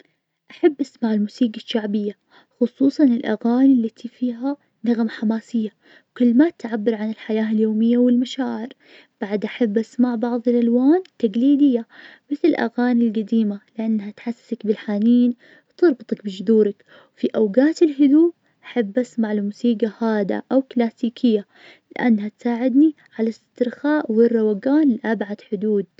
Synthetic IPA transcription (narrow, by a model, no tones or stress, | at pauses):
ʔaħabːʔasmaʕɪlmuːsiːɡaʃːaʕbɪjːa | xʊsˤuːsˤɑnɪlʔa̰ɣaːnilːat̪ʰifiːɦa | naɣmaħamaːsɪjːa | kɪlːmat̪ʕabːɪɾʕanɪlħajaːɪljoːmɪjːawɪlmaʃaːʕɪɾ | b̥aʕd̪ʔaħabːʔasmaʕbɑʕðˤɪlʔalwaːnt̪ːaɡliːd̪ɪjːamɪθlɪlʔa̰ɣaːnilɡad̪iːmalɪʔanːhat̪ħasːsakbɪlħaːniːn | wt̪ɨɾˤbɨt̪ˤɑkbɪd͡ʒʊðuːɾak | wfiʔawɡaːt̪ɪlɦʊd̪uː | ʔaħabːʔasmaʕlmusiːɡahaːd̪a̰ʔawklaːsiːkʰɪjːa | lɪʔanːhat̪saːʕɪd̪ni | ʕalast̪ɪɾxaːʔwɪrːɑwaɡaːnlɪʔabʕad̪ħʊd̪uːd̪̚